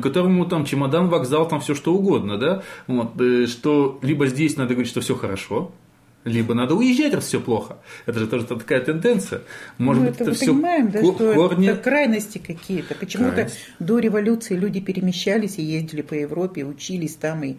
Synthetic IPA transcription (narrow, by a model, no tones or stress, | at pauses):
kɐt̪o̞ɾəmʊt̪amt͡ɕɪmɐd̪anvɐɡzalˠt̪amfsʲoʂt̪oʊɡo̞d̪nəd̪avot̪əʂt̪olʲibəzʲdʲesʲnad̪əɡəvɾʲit̪ʲʂt̪ofsʲoxəɾɐʂo̞ | lʲibənad̪əʊjɪʑʲːætʲrɐsfsʲoplˠo̞xəɛt̪əʐɨt̪oʐɨt̪t̪ɐ̥kajət̪ɨnd̪ɛnt̪sɨjəmo̞ʐɨbbɛɨt̪ʲəvɛəfspəoɪmajɪmd̪aʂt̪oɛornʲɪkɾajnəsʲtʲɪkɐkʲijət̪əpət͡ɕɪmut̪ə | d̪o̞ɾʲɪvɐlʲut̪sɨɪlʲudʲɪpʲɪɾʲɪmʲɪɕːælʲɪsʲɪjezʲdʲɪlʲɪpəjɪvɾo̞pʲɪʊt͡ɕilʲɪsʲt̪ami